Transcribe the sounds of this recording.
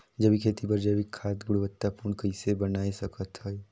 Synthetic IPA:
d͡ʒɐbʱikʰeːt̪ibəɾd͡ʒəbɪkʰːaːt̪ɡʊɽʋət̪ːapuɾɳkəisebɐnaːesɐkət̪ɦəe

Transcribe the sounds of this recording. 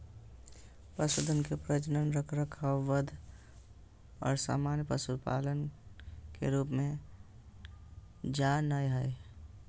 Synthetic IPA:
pɾəsʊd̪ənkepɾəd͡ʒnənɾəkʰɾəkʰaʋəd̪ʱ | ɔːɾsa̰ːmaːnjəpəsud̪pa̰ːlənkḛɾuːpmẽ | d͡ʒaːnajɦəe

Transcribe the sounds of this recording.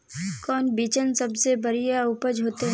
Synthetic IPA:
kɔːnbiːt͡ʃənsɐbsebɐɾijaʊpəd͡ʒɦoːt̪eɦ

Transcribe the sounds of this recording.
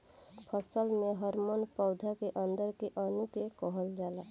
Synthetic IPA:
pʰəsəlmeɦəɾmonpɔʊd̪ʱakeʔə̃nd̪əɾkeʔənukekɔɦəld͡ʒaːla

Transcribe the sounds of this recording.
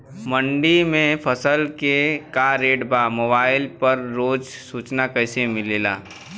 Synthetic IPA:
mə̃ɳɖimẽpʰɐsəlkekaɾeːɖbaːmoːbaːɪlpɐɾɾoːd͡ʒsuːt͡ʃnakɛːsemɪleːla̰ː

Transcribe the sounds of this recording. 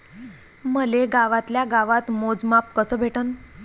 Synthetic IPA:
məleɡaʋat̪ljaɡaʋat̪mod͡zmap̚kəsəːbʱeʈən

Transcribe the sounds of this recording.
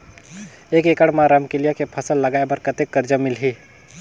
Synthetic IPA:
eːkeːkəɽmãɾɐmkɪlijakepʰɐsəlːɐɡaːebəɾkət̪ekːəɾd͡ʒəmɪlɦiː

